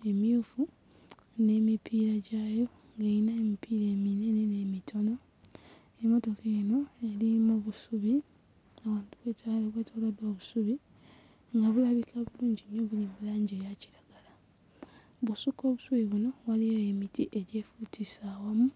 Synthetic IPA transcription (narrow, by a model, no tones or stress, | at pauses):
e̞mjuːfu | ne̞ːmipʰiːɾaɟaːjo̞ | ŋɡeinaemipʰiːɾe̞ːminenene̞ːmitʰo̞no̞ | emo̞to̞keeno̞e̞limoβusuβi | awaːntuβweːtaleβweːtʰoːladwoːβusuβi | ŋɡaβulaβikaβuluːɲɟinoβulioβulaːɲɟeːjaci̥ɾaɡ̥ala | βusuko̞ːβusuβiβuno̞walijoemitiʔe̞ɟe̞futʰisaːwamu